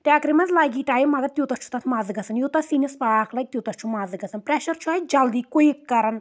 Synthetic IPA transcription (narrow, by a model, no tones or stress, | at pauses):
ʈaːkɾimɐnzlaːɡʲiːʈaːjimɐɡɐt̪jot̪ɐt͡ʃʰu̥t̪ɐt̪ʰmaːzɨɡɐsɐnjot̪ɐsiːnispaaːklɐɡ̚t̪jot̪ɐt͡ʃʰumaːzɨɡɐsɐnpɾɛʃɐɾt͡ʃʰuaːjd͡ʒɐld̪iːkojkːɐɾɐn